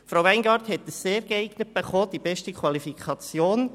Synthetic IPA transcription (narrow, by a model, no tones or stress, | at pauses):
fɾaʊæɪnɡɑːɾthɛt̚ːəsːeːɾɡəɛɪɡ̥nət̚b̥eχoːd̥̪ibɛʃtikʰwɑlifikʰɑt͡sjoːn